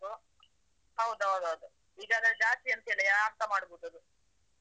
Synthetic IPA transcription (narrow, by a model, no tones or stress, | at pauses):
u | ɦɐwd̪uɦɐwd̪uɦɐwd̪u | iːɡaːd̪ɐɾed͡ʒaːt̪iɐnt̪eːɭiaːst̪ɐmaːɽbuːt̪ɐd̪u